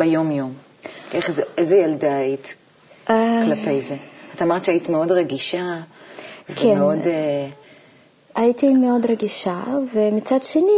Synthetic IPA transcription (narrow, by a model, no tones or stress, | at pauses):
bejo̞mjo̞m | ʔeχzeezejaldaait | aklapejzeatamaʁt̪ʃaitimeo̞dʁeɡiʃa | vkʰeemeode | ʔaitimeo̞dʁeɡiʃavemit͡sadʃeni